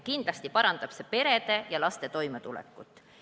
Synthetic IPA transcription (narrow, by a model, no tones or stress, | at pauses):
kind̪̥lɑst̪ipɑɾɑnd̪̥ɑb̥se̞pe̞ɾe̞d̪̥e̞jɑlɑst̪e̞t̪o̞jmet̪ulɛ̰kːˑut̪ːˑ